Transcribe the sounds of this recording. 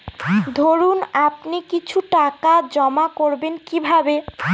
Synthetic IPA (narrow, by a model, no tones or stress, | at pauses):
d̪ʱoɾunap̚nikit͡ɕʰuʈakad͡ʑɔmakoɾbenkibʱabe